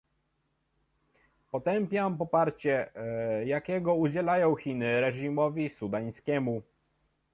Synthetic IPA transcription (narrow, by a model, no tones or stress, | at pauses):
pɔt̪ɛmpʲjampɔpaɾt͡ɕɛjakʲɛɡɔud͡ʑɛlajɔ̃w̃xʲinɘɾɛʐimɔvʲisud̪aj̃skʲɛmu